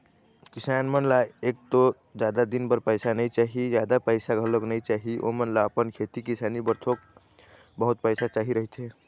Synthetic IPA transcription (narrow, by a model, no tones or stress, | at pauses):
kisanmənlaek̚t̪o | d͡ʒad̪ad̪inbəɾpəɪsanəjt͡ʃaɦid͡ʒjad̪apəɪsaɡʱəloknəjt͡ʃaɦiʔo̰mənlaəpənkʰet̪ikisanibəɾt̪ʰok̚ | bəɦut̪̚pəjsat͡ʃaɦiɾəɦit̪ʰe